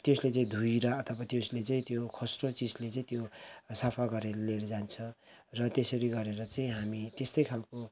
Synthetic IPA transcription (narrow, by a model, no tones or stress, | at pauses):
t̪joslet͡saĩd̪ʱuiɾʌʌt̪ʰʌbat̪joslet͡saĩt̪jokʰosrõt͡sid͡zlet͡saĩt̪josapʰaɡʌɾeleɾd͡zant͡sʰʌ̃rʌt̪esʌɾiɡʌɾeɾʌt͡saĩɦamit̪est̪ʌjkʰalko